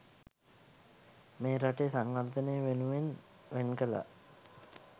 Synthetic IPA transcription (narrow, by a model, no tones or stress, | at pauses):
meːɾaʈesaŋʋard̪ənejəʋenuʋen | ʋenkəla̰